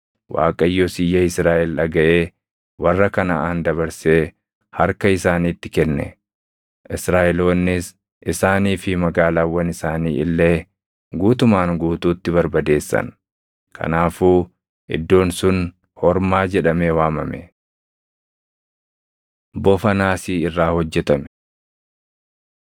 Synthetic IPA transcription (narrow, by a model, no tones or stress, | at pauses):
wʔa̰ːkʼɐjːoːsɪjːɐɪsɾaːʔɛlᶑɐɡɐʔeː | wɐrːɐkɐnɐʔaːnd̪ɐbɐɾseː | hɐɾkɐɪsaːniːt̪ːɪkɛnːɛ̰ | ʔɪsɾaːʔɛloːnːɪs | ʔɪsaːniːfɪmɐɡaːlaːwːɐnɪsaːnḭːɪlːe̞ː | ɡuːt̪ʊmaːŋɡuːt̪uːt̪ːɪbɐɾbɐd̪e̞ːsːɐ̰n | kʰɐ̰naːfuː | ʔɪ̰d̪ːo̞ːnsʊn | hɔɾmaːd͡ʒɛᶑɐmeːwaːmɐmɛ̰ | bɔfɐnaːsiːɪrːaːhɔd͡ʒːɛt̪ɐmɛ̥